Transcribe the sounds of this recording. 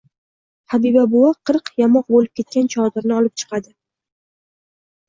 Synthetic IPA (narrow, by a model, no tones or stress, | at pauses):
habibabʊwaqʰɨɾqjamɒq̚bolɪp̚kʲʰe̞t̪̚kʲant͡ʃʰɒd̪ɪɾnɪɒlɪp̚t͡ʃʰɨ̥qɑd̪ɪ